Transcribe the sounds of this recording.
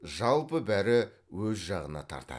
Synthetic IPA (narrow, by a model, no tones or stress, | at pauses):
ʒɑlˠpəbæɾɪ | wɵzʒɑʁənɑ̰t̪ʰɑ̰ɾt̪ɑ̰